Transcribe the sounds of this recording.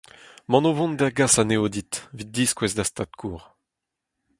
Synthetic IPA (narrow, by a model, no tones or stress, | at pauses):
mɑ̃novɔ̃nd̪aɡasaneod̪it̪vid̪̚diskwɛzd̪ast̪at̪̚kʰuːʁ